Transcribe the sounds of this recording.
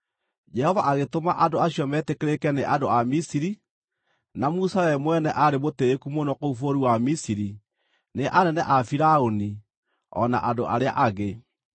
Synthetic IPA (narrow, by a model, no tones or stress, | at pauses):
d͡ʒɛhɔvaʔaɣetomaʔadoaɕjɔmɛtekeɾekɛneʔadoamisiɾi | namusawɛmwɛnɛʔaɾemoteːkumonɔkoufoɾuwamisiɾi | neʔanɛnɛʔafiɾaoni | ɔ̰na̰ʔadoʔaɾea̰ʔaɣe